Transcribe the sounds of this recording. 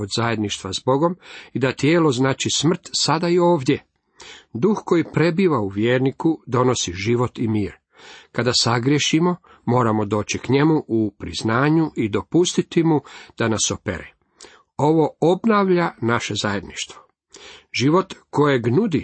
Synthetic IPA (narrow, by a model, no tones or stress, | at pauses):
od̪zajed̪niʃt̪ʋazbo̞ɡo̞mid̪at̪jeːlo̞znaːt͡ʃismr̩t̪sad̪aio̞ːʋd̪je | d̪uxko̞jipɾe̞biːʋauʋjeːɾnikud̪o̞no̞siʒiʋo̞t̪imiːɾ | kad̪asaɡɾjeʃimo̞ | mo̞ːɾamo̞d̪o̞ːt͡ɕikɲe̞muʔupɾiznaːɲuʔid̪o̞pust̪it̪imud̪̥anaso̞pḛɾḛ | o̞ʋo̞obnaːʋʎanaʃe̞zaje̞d̪niʃt̪ʋo | ʒiʋo̞t̪ko̞jeɡnud̪i